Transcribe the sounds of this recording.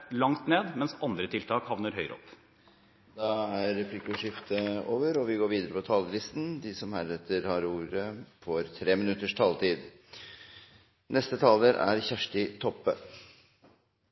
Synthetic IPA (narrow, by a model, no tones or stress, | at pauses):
lɑŋt̪neːd̪mɛnsɑnd̪ɾət̪ʰɪlt̪ʰɑːkhɑʋnəɾɦœʏɾɔ̰p | d̪ɑæɾːɛpʰlɪkʊʂɪft̪ʰəoːʋəɾɔʋɪɡoːɾʋiːd̪əɾəpʰɔt̪ʰɑːləlɪst̪n̩d̪ɪsɔmhæːɾɛt̪ʰːəɾhɑɾuːɾəfoːɾt̪ʰɾeːmɪnʉt̪ːəʂt̪ʰɑːlt̪ʰiːd̪ | nʔɛst̪ət̪ʰɑːləɾʔæ̰ɾçæʂʈɪt̪ʰɔpːə